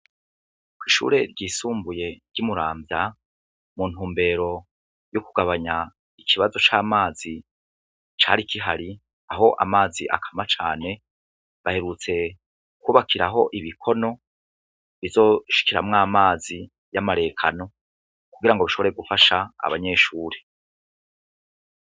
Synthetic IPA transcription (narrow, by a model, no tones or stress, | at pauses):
kwiːʃṵːɾe̞ɾɟiːsuːmbuje̞ɾɟ̥umuɾaːmbja | mun̥huːmbe̞ɾo̞ | jokuɡaβaɲa | ikʰiβazo̞t͡ʃaːmaːzi | t͡ʃaːɾikiɦaɾi | aɦo̞ʔa̰maːziʔa̰kʰḁmat͡ʃaːne̞ | βahe̞ɾut͡se̞ | kuβakʰiɾaɦo̞ʔiβikʰo̞no̞ | βizo̞ʃi̥kiɾamŋaːmaːzi | jamaɾe̞ːkʰano̞ | kuɡiɾaŋɡoβiʃo̞βoɾe̞ɡufaʃa̰ːβaɲe̞ːʃuːɾe